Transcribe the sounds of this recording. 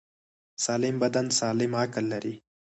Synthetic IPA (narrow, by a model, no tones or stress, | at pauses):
sɑːlɪmbad̪ansɑːlɪmhaklːaɾi